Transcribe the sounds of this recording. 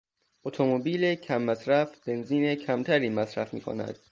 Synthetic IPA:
ot̪ʰomobiːlecʰæmːæsɾæfbe̞nziːnecʰæmt̪ʰæɾiːmæsɾæfmḭːkʰo̰næ̰d̪̥̚

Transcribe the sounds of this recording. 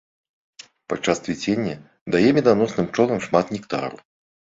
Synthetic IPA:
pat͡ʂːast̪vʲit͡sʲenʲːɐ | d̪ajɛmʲɛd̪anɔsnɨmt͡ʂɔlˠɐmʂmat̪nʲikt̪a̰ɾṵ

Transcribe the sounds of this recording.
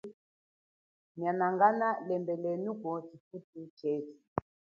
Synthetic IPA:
ɲanaŋɡanalɛmbɛlɛnukɔtifutit͡ʃɛti

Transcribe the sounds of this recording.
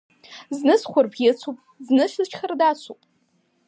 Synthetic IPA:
znɨsχʷʊrbɡʲɪt͡sʷʰupʼznɨʃʷɨzt͡ʃʰχərdaːt͡sʷʰṵpʼ

